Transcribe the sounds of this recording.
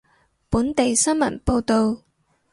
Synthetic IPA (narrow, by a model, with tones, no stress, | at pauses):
puː˨˥nt̪e˨jsɐ˥nmɐ̰˨˩npo˧wt̪o˨w